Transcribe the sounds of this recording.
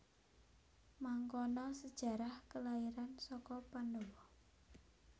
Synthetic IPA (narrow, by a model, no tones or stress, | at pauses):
maŋkɔnɔsəd̥ʒ̥ä̤ɾahkəlaiɾansɔkɔpandɔwɔ